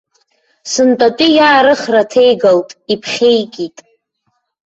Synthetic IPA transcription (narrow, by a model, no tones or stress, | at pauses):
sɨntʼatʼijaːɾɨχratʰe̞jɡaltʼipʰχʲe̞jkʼitʼ